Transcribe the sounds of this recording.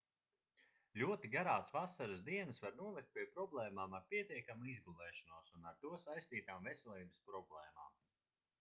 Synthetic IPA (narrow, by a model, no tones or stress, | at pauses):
lʲuɔt̪iɡaɾaːsvasaɾɨsd̪iɛnɐsvaɾnuɔvʲest̪̚pʲiɛpɾɔblˠɛːmaːmaɾpʲiɛt̪iɛkamuizɡulɛːʃanuɔsunaɾt̪uɔsajst̪iːt̪aːmvɛsʲɛlˠiːbəspɾɔblˠɛːma̰ːm